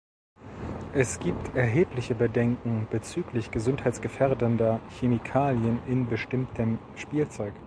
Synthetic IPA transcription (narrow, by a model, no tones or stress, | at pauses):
ʔɛsɡ̥iːp̚tʰɛɐɦeːplɪçəbədɛŋkŋ̩b̥ət͡syːklɪçɡ̥əzʊnthaɪtt͡sɡ̥əfɛɐdəndɐçemikʰaːljənʔɪnbəʃtɪmtʰəm | ʃpiːlt͡sɔʏk